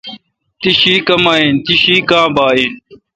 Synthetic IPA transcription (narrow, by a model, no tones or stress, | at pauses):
t̪iɕiːkɐmaːint̪iɕiːkãːbaːin